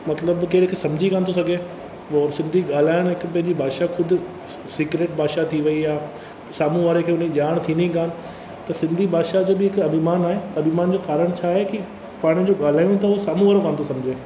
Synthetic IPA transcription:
mɐt̪ləbkeːɾekʰeːsɐ̃md͡ʑʱikaːnt̪ʰosɐɡʱe | ɔsɪ̃nd̪ʱiɠaːl̤aːɪɽ̃ɦɪkpɐ̃ɦɪ̃ɲd͡ʑibʱaːʃakʰʊd̪ʱʊ̆ | siːkɾeːʈ̚baːʃat̪ʰiʋɐiaː | saːmũʋaːɾekʰeːʊn̤eʄaːɽ̃t̪ʰĩːniɡaːnɪ̆ | t̪ɐsɪ̃nd̪ʱibʱaːʃad͡ʑoːbɪɦɪkɐbʱimaːnaːɦeɐbʱimaːnd͡ʑoːkaːɾəɽ̃t͡ɕʰaːɦeki | paːɽ̃id͡ʑoːɠaːl̤aːjõt̪̬ɐɦusaːmũʋaːɾokaːñt̪ʰosɐ̃md͡ʑʱeː

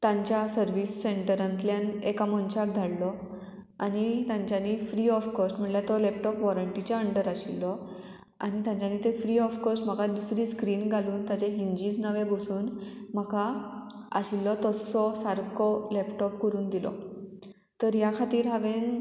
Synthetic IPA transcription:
t̪ãɲt͡ɕjasəɾʋisːeɳʈəɾãnt̪ljanekamɔnt͡ɕak̚d̪ʱaɽlɔ | anit̪jãɲt͡ɕanːifɾiɔfkɔsʈm̤əɳljat̪ɔlɛp̚ʈɔpʋɔɾəɳʈit͡ɕaəɳɖəɾaɕilːɔ | a̰nit̪jãɲt͡ɕjanːit̪efɾiɔfkɔsʈm̤əɡad̪usɾiːskɾiːnɡʱaluːnt̪jat͡ɕeɦiɲd͡ʑiːd͡znəʋẽbosuːnm̤əkaaɕilːɔt̪ɔsɔsaɾkɔlɛpʈɔpkəɾuːnd̪ilɔ̰ | t̪əɾjakʰat̪iːɾɦaʋen

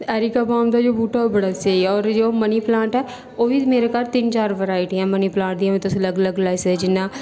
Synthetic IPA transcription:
ɛːɾiːkaːbaːmd̪aːd͡ʒoːbuːʈaobəɽaːseiɔːɾd͡ʒoːməniːplãːɳʈɛː | oːʋiːmeːɾekaɾt̪ɪnt͡ʃaːɾʋəɾaːiʈːɛ̃ːməniːplãːɳʈ̚d̪iãːmẽt̪ʊsləɡləɡlaɪsɛd͡ʒɪnːãː

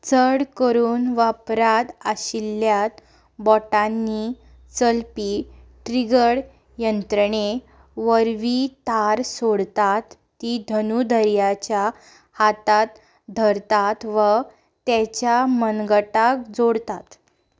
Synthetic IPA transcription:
t͡səɽkəɾuːnʋapɾat̪aɕilːjat̪ | bɔʈanːi | t͡səlpiʈɾiɡəɽ | jənt̪ɾəɳ̃e | ʋəɾʋit̪aɾsoɽt̪at̪ːid̪ʱənud̪ʱəɾjat͡ɕja | hat̪at̪ | d̪ʱəɾt̪at̪ʋə | t̪ɛt͡ɕjamənɡəʈak̚d͡zoɽt̪at̪

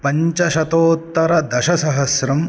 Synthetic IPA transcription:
pɐɲt͡ʃɐʃɐt̪oːt̪ːɐɾɐd̪ɐʃɐsɐɦɐsɾɐm

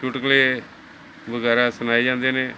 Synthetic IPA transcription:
uʈkəlie | bəɡaːɾasənaːed͡ʒãːnd̪eːnẽː

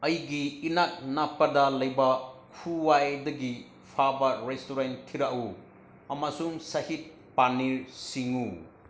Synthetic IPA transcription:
ɐjɡiːnak̚napːɐdɐlɐjbɐkʰuwajdɐɡi | pʰabɐɾestoɾentʰːiɾaʔu | ɐmɐsuŋsɐhit̚ | paniɾsiŋu

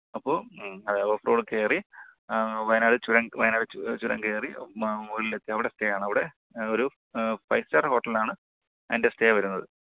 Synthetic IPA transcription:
ɐpːo̞ːɐðeːɐpɐfroːɽɨke̞ːri | ʋɐjnaːɽɨt͡ɕuɾɐŋʋɐjnaːɽɨt͡ɕuɾɐ̰ŋɡeːrimulilet̪ːiɐʋiɽe̞steːjaːɳɨɐʋiɽe̞ | o̞ɾu | fɐjsɐrho̞ːʈːɐlaːɳɨ | ɐndesteːjʋɐɾunːɐðɨ

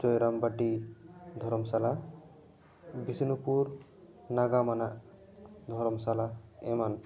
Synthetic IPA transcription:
d͡ʒɔjɾambaʈid̪ʱɔɾɔmsala | bisinupuɾ | naɡamanaʔ | d̪ʱɔɾɔmsalaeman

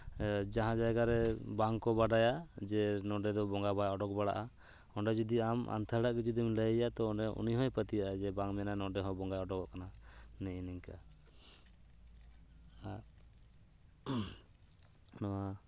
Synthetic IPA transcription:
d͡ʒaɦãd͡ʒajɡaɾɛbaŋkɔbaɖajad͡ʒɛnɔɖɛd̪ɔbɔŋɡabajɔɖɔk̚baɽaʔa | ɔɳɖɛd͡ʒɔd̪iamʔa̰nt̪ʰaɽaʔkɛd͡ʒɔd̪imləjjat̪ɔːɳɖɛṵniɦɔjpət̪ijaʔad͡ʒɛbaŋmɛnanɔ̃ɖɛɦɔ̃bɔŋɡajɔɖɔkɔʔkananɛɛnɛŋka | a | nɔwa

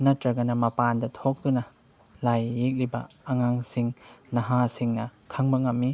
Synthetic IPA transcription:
nɐtɾɐɡɐnɐmɐpandɐtʰok̚tunɐ | lajːik̚libɐ̰ː | ŋaŋsiŋnɐɦasiŋnɐkʰɐŋbɐŋɐmːi

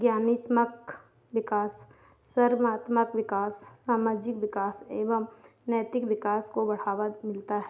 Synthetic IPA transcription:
ɡjaːnɪt̪mək | ʋɪkaːsː | əɾmaːt̪məkʋɪkaːssaːmaːd͡ʒɪkʋɪkaːseːʋəm | nəjt̪ɪkʋɪkaːskobɐɽ̤aːʋamɪlt̪aɦɛ

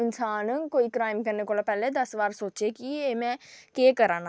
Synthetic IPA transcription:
ɪnsaːnə̃koːikɾaːɪmkɐɾnekoːlapɛːled̪ɐsbaːɾsoːt͡ʃekieːmɛ̃keːkɐɾãːna

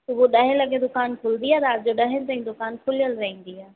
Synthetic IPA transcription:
ʊbuɗɐɦẽlɐɡʱed̪ʊkaːnkʰʊlnd̪iaːd̪aːɾd͡ʑoɗɐɦɪnɪt̪̬ɐ̃ĩd̪ʊkaːnkʰʊlijəlɾɐɦĩn̆d̪iaː

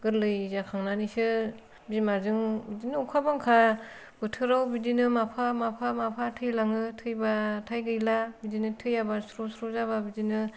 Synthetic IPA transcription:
ɡɯɾlɯjzakʰaŋnanisɯ | bimazɯŋbidinɯukʰabaŋkʰa | b̥ɯtʰɯɾawbidinɯmapʰamapʰamapʰatʰɯjlaŋɯtʰɯjbatʰajɡɯjlabidinɯtʰɯjabasɾɔsɾɔzababidinɯ

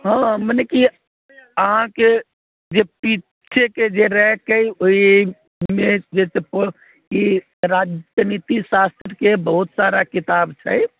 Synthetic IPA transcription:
ɦãməneki | əɦãke | d͡ʒepi | t͡ʃʰeked͡ʒeɾɛkəjoi | med͡ʒesepo | ki | ɾad͡ʒnit̪isast̪ɾəkebəɦut̪saɾakit̪abt͡ʃʰɛ̰j

